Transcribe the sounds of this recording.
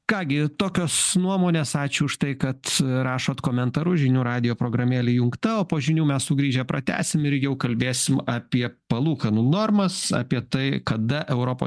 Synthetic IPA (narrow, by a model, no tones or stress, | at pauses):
kɑːɡʲɪt̪oːkʲoːsnuɔmoːnʲeːsɑːt͡ʃʲʊʊʃt̪ɐɪkɐt̪ɾɑːʃoːt̪koːmʲɛnt̪ɐɾʊʒʲɪnʲuːɾɑːd̪ʲɪjoːpɾoːɡɾɐmʲeːlʲɪjʊŋkt̪ɐoːpoːʒʲɪnʲuːmʲɛssʊɡɾʲiːʒʲɛpɾɐt̪ʲæ̰ːsʲɪmɪɾjɛʊkɐlʲbʲeːsʲɪmɑːpʲiɛpɐlˠuːkɐnunoːrmɐsɑ̰ːpʲiɛt̪ɐɪkɐd̪ɐʔɛʊɾoːpo̰